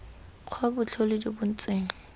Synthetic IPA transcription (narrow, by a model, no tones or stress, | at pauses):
q͡χʰabʊt͡ɬʰolɪdibʊn̩t͡sʼeːŋ̩